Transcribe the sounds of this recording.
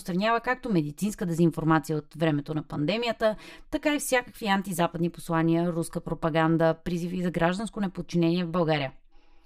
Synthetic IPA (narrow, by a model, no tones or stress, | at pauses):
st̪ɾɐnʲjavəkak̚t̪omɛd̪it̪sinskəd̪ɛzinfoɾmat̪sijəot̪vɾɛmɛt̪onɐpɐnd̪ɛmijət̪ət̪ɐkaifsʲjakəkviant̪izapəd̪nipo̥slˠaniəɾuskəpɾopɐɡand̪əpɾizifizɐɡɾaʒd̪ənskonɛpot̪̚t͡ʃinɛniɛvbɐlˠɡaɾijə